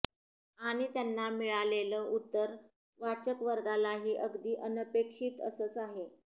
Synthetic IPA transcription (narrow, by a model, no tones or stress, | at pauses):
aɽ̃it̪janːamiɭaleləːʔut̪ːəɾ | ʋat͡ɕəkʋəɾɡalaɦiːʔəɡd̪iːʔənəpekʂiːt̪əsət͡saɦe